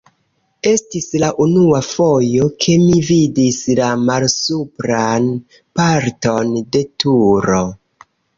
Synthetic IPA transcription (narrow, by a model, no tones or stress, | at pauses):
e̞stislaʔunuafo̞jo̞kʰe̞mividislamalsupɾan | paɾto̞nde̞tʰuɾo̞